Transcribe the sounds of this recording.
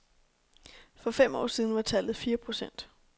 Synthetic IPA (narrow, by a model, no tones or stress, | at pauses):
fɒ̽fem̰ɒ̰ːsið̞ˠn̩ʋɑ̈t͡sʰælð̩ˠfiːɐpʰʁo̝sen̰d̥